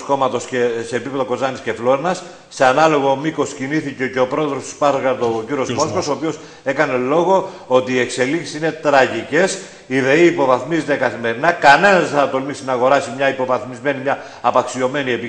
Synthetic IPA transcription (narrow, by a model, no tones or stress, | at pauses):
sko̞mɐt̪o̞scese̞ːpipe̞ðo̞ko̞zɐnisce̞flo̞ɾenɐsː | eɐnɐlo̞ɣo̞miko̞sciniθice̞ce̞o̞pɾo̞eðɾo̞st̪u̥spɐɾɣɐɾd̪oːciɾio̞zmosko̞so̞ːpio̞s | ekɐne̞lo̞ɣo̞o̞t̪iːe̞kse̞liksi̥sine̞t̪ɾɐʝice̞s | iðe̞iːpo̞vɐθmizet̪ekɐθime̞ɾinɐkɐne̞nɐzeɐɐt̪o̞lmist̪inɐɣo̞ɾɐsimɲɐipo̞vɐθmizme̞nimɲɐː | pɐksio̞me̞nie̞pi